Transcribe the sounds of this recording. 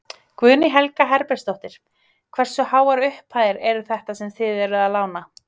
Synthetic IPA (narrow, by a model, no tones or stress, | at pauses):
kvʏðnɪɦɛlkaɦɛɾpɛɾ̥st̪owht̪ɪɾ̥ | kʰvɛr̥sʏhaːwaɾʏhphaðɪɾɛɾʏθɛht̪asɛmθɪːðɛɾʏðalaːwna